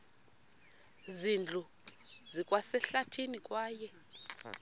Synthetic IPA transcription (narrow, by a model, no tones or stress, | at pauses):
zind͡ɮʱu | zikʼwasɛɬatʰinikʼwaːjɛ